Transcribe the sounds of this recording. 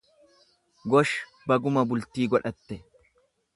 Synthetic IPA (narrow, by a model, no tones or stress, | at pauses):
ɡɔʃ | bɐɡʊmɐbʊlt̪iːɡɔᶑɐt̪ːɛ